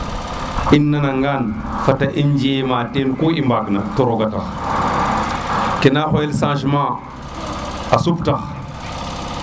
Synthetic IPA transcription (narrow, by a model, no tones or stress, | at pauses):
inːanaŋɡan | fataʔind͡ʒimatenkoimbakna̰toɾoɡata̰x | kenaxojelsãːʃ̬ma | asuptax